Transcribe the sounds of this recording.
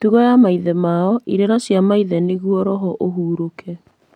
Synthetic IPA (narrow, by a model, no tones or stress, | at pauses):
tuɣɔjamaiðɛmaɔʔiɾeɾasjamaiðɛneɣuɔɾɔɦɔʔoɦuːɾokʰɛ